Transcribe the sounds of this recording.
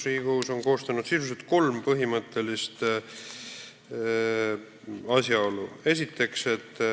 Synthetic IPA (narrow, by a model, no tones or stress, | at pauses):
riːɡ̥uːso̞nko̞ːst̪ɑnud̪sisuset̪̚ko̞lmpɤɦimɤt̪ːˑe̞list̪ | ɑsjɑo̞lue̞sʲit̪ːˑe̞kse̞t̪ːˑ